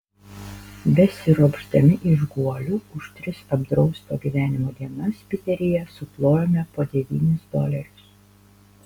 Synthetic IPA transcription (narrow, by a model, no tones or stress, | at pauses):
bʲɛsʲɪɾoɡʒd̪ɐmʲɪʔɪʒɡuɔlʲuːʊʃt̪ʲɾʲɪsɐbd̪ɾɒʊst̪oːɡʲiːʋʲæːnʲɪmoːd̪ʲiɛnɐspʲɪt̪ʲɛɾʲɪjɛsʊplˠoːjomʲɛpoːd̪ʲɛʋʲiːnʲɪsd̪o̰ːlʲɛɾʲʊs